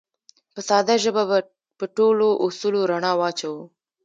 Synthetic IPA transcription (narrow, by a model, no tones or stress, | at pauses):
pəsɑd̪aʒəbaba | pəʈoloʔʊsuloɾaɳɑwɑt͡ʃawu